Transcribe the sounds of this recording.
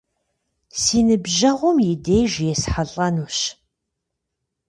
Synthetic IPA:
siːnɨbʒɐʁʷʊmjɪdejʒjɛsħaɬʼɐnuːɕ

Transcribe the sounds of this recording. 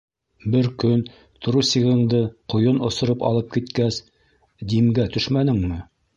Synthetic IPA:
bɘɾkɵn | t̪ʰŏɾusiʁɤ̆ɴd̪ɤqŏjonŏsŏɾɤpɑ̰lˠɤp̚kit̪kæs | d̪imɡæt̪ɵʃmænɘŋmɘ

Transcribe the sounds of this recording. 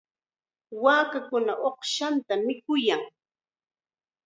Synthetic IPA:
waːkakʊnaʔoχʃant̪amɪkʊjaŋ

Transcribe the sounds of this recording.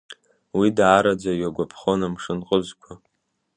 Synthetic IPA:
widaɾad͡zʷajɥaɡʷapʰχonamʂɨnqʼəzʷkʷʰa

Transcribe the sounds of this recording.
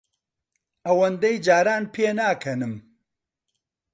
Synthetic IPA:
ɐwɐnd̪ɐjd͡ʒaːɾaːnpʰeːnaːkʰɐnɨm

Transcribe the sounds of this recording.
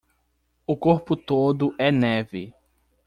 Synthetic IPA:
ʊkoɾpʊt̪od̪ʊʔɛnɛvɪ

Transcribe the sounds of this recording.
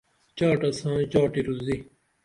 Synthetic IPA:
t͡ɕaːʈɐsãːt͡ʃaːʈiɾuzi

